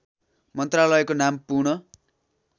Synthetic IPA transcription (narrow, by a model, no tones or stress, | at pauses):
mʌnt̪ralʌjekonampurɳʌ